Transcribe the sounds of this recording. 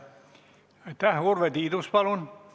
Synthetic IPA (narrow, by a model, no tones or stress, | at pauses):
t̪æhurʋet̪id̪uspɑlun